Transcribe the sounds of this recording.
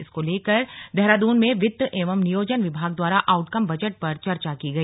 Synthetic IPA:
ɪskoleːkəɾd̪ɛɦɾaːd̪uːnmẽʋɪd̪ʔeːʋəmnɪjoːd͡ʒənʋɪbʱaːɡ̚d̪waːɾaʔaːʊʈkɐmbɐd͡ʒəʈ̚pɐɾt͡ʃɐɾt͡ʃakiɡɐiː

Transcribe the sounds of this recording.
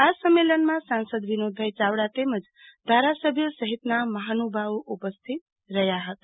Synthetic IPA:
asəmːelənmãsansəd̪ʋinod̪ʱːəjt͡ʃawɽaʈemət͡ʃ | d̪ʱaɾasəbʱjəsəɦit̪naməɦanubʱawʔupəst̪ʰit̪̚ | ɾəjaɦət̪

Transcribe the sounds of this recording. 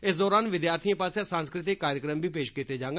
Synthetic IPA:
ɪsd̪ɔːɾaːnʋɪd̪jaːɾt̪ʰiãːpaːsjaːsãːnskɾɪt̪̬ɪkːaːɾjəkɾəmbiːpeːʃkiːt̪eːd͡ʒãːŋɡ

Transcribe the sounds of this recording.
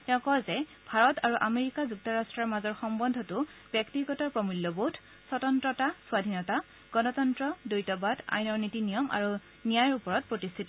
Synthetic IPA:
tɛʊ̃kɔzɛ | bʱaɹɔtaɹuʔameɹikazuk̚tɔɹastɹaɹmazɔɹxɔmbɔndʱɔtʊb̥jɛktiɡɔtɔɹpɹɔmiljɔbotʰ | sɔtɔntɹɔtaswadʱinɔta | ɡ̥ɔnɔtɔntɹɔdojtɔbadʱa̰jnɔɹnitinijɔmʔa̰ɹu | nijajɔɹupɔɹɔt̚pɹotist̪ʰitɔ

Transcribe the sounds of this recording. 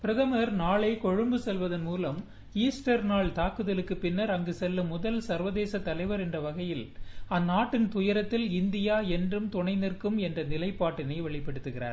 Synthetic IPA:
pɪɾɐðɐmɐɾnaːɭɐɪkɔɻɯmbɯsɛlʋɐðɐnmuːlɐm | iːsʈɐɾnaːɭt̪aːkɯðɐlɯkːɯpɪnːɐɾɐŋɡɯsɛlːɐmʊðɐlsɐɾʋɐðeːsɐt̪ːɐlɐɪʋɐɾɛndrɐʋɐɣɐjɪlɐnːaːʈːɪnt̪ʊjɐɾɐt̪ːɪlɪnd̪ɪjaːɛndrɯmt̪ʊɳɐɪnɪrkɯmɛndrɐnɪlɐɪpːaːʈːɯniːʋɛɭɪpːɛɽɯt̪ːɯɣɪra̰ːɾ

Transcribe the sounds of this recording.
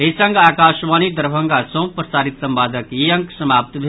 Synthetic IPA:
ɦesɐŋɡaːkaːʃʋaːnid̪ɐɾbʱə̃ŋɡasõw̃pɾɐsaːɾit̪sɐmbaːd̪əkjiɐ̃ŋksɐmaːp̚t̪bʱe

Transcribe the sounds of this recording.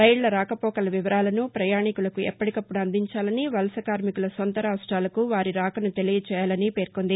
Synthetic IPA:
ɾɐjɭːɐɾaːkɐpɔːkɐlɐʋiʋɐɾaːlɐnupɾɐjaːɳikulɐkuɛ̰pːɐʈikɐpːuɽuɐnd̪ʱiɲt͡ʃaːlɐniʋɐlɐsɐkaːɾmikulɐsont̪ɐɾaːɐsʈaːlɐkuʋaːɾiɾaːkɐnut̪e̞lijɐt͡ʃɛːjaːlɐnipe̞ːɾkond̪i

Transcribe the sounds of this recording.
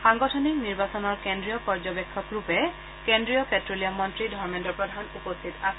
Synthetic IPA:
ʃaŋɡoʈʰonikniɾbat͡ɕɔnɔɾkendɾiopɔɾd͡ʑobekʰːɔkɾupe | kendɾiopetɾoliomːɔnt̪ɾidʱɔɾmenʈɔpɾod̪ʱanupost̪ʰit̪asʰ

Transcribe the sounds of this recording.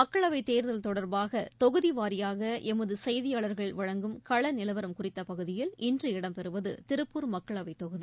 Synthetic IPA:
mɐkːɐɭɐʋɐɪt̪eːɾðɐlt̪ɔɽɐɾbaːɣɐt̪ɔɣɯðiʋaːɾɪjaːɣɐʔɛmɐðɯsɐjðɪjaːɭɐɾɣɐɭʋɐɻɐŋɡɯmkɐɭɐnɪlɐʋɐɾɐmkʊrɪt̪ːɐpɐɣɯðɪjɪlʔɪndrɯɪɽɐmpɛɾɯʋɐðɯt̪ɪɾɯpːɯɾmɐkːɐɭɐʋɐɪt̪ːɔɣɯði

